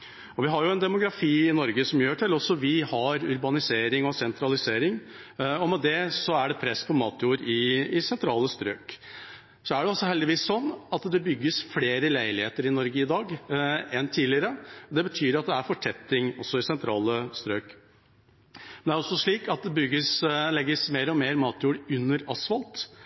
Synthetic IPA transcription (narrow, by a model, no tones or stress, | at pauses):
ɔʋɪɦɑɾjʊɛnd̪ɛmʊɡɾɑfiːɪnɔɾɡəsɔmjøːʈʰɪlɔsːɔʋɪhɑɾʉɾbɑnɪseːɾɪŋɔsɛnt̪ʰɾɑlɪseːɾɪŋ | ɔmɛd̪ɛsɔæɖɛpʰɾɛspʰɔmɑːt̪juːɾɪːsɛnt̪ʰɾɑːləst̪ɾø̰ːk | sɔæɖɛɔsːɔhɛld̪ɪʋiːsɔnːɑt̪d̪ɛbʏɡːəsfleːɾəlæɪlɪheːt̪əɾɪnɔɾɡəɪd̪ɑːɡɛnt̪ʰiːlɪəɾəd̪ɛbət̪ʰyːɾɑt̪̚d̪ɛæɾfɔʈʰɛt̪ːɪŋɔsːɔɪsɛnt̪ʰɾɑːləst̪ɾøːk | mɛnæɾɔsːɔʂɭiːkɑt̪̚d̪ɛbʏɡːəslɛɡːəsmeːɾɔmeːɾmɑːt̪juːɾʉnːəɾɑsfɑlt̪